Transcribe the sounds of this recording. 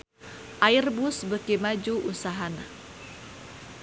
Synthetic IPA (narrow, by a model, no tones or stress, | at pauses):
ʔairbʊsbəkimad͡ʒuʔusaɦana̰